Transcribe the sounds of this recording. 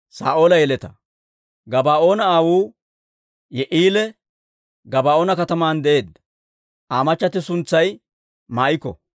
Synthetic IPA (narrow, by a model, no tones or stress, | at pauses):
sa̰ːʔo̞ːlɐjɛlɛt̪ɐ | ɡɐbaːʔo̞ːnɐaːwuː | jɛʔiːlɛ | ɡɐbaːʔoːnɐkɐt̪ɐmaːnd̪ɛʔe̞ːd̪ːɐ̥ | aːmɐt͡ʃːɐt̪ɪsʊnt͡sːɐj | maːʔɪkːɔ̰